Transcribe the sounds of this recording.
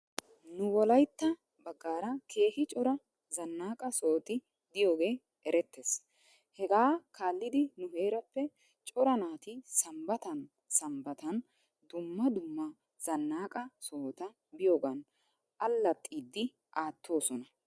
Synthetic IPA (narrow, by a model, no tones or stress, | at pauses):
nʊwɔlɐjt̪ːɐ | bɐɡːaːɾɐkʰe̞ːhɪt͡ʃʼɔɾɐ | zɐnːaːkʼɐsoːt̪ʼɪ | d̪ɪjo̞ːɡe̞ː | ɛɾɛt̪ːes | hɛɡaːkaːlːɪd̪ɪnʊɦe̞ːɾɐpːɛ | t͡ʃʼɔɾɐnaːt̪ɪsɐmbɐt̪ɐn | sɐmbɐt̪ɐn | d̪ʊmːɐd̪ʊmːɐ | z̥ɐnːaːkʼɐso̞ːt̪ɐ | bɪjoːɡɐn | ʔɐlːɐt̪ʼːiːd̪ːɪ | ʔaːt̪ːo̞ːsɔnɐ